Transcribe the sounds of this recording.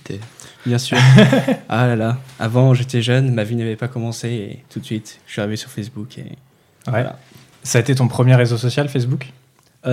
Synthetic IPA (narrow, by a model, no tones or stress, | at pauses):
t̪ebjɛ̃syːʁalalaavɑ̃ʒet̪ɛʒœnmavinavɛpakɔmɑ̃seḛt̪ut̪sɥit̪ʃɥiaʁivesyʁfɛsbukʰḛ | a̰la̰ | saet̪et̪ɔ̃pχəmjeʁezosɔsjalfɛs̬buk